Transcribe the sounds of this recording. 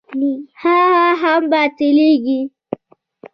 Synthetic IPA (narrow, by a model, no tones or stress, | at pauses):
nihahaɦambatiliɡi